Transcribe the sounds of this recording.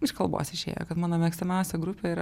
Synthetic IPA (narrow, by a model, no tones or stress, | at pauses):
ɪʃkɐlˠbo̰ːsɪʃʲḛːjo̰kɐt̪mɑːnoːmʲɛːksʲt̪ʲɪmʲɛˑʊsʲɛɡɾʊpʲeiːɾɐ